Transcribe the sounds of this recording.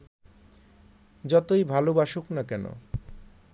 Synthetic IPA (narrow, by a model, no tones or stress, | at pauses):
d͡ʑɔt̪ojbʱalobaʃuknakɛno̰